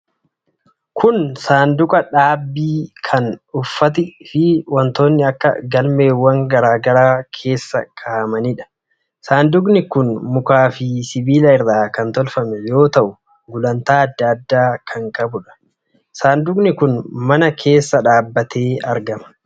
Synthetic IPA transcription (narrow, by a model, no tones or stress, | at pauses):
kʰʊnsaːnd̪ʊkʼɐᶑaːbːiːkʰɐnʊfːɐt̪̬ɪfɪwɐnt̪o̞ːnːɪɐkːɐ̰ɡɐlme̞ːwːɐŋɡɐɾaːɡɐɾaːkʰe̞ːsːɐ̰kʰʼaːmɐniᶑɐ̥ | saːnd̪ʊk̬ʼnɪkʊnmʊkaːfisɪbiːlɐɪɾdaːkɐnt̪ɔlfɐmɛjo̞ːt̪ɐʔʊ | ɡʊlɐnt̪aːɐd̪ːɐːd̪ːaːkʰɐŋkʼɐbʊᶑɐ̥ | saːnd̪ʊkʼnɪkʊnmɐnɐkʰe̞ːsːɐᶑaːbːɐt̪ʰe̞ːɐɾɡɐmɐ̥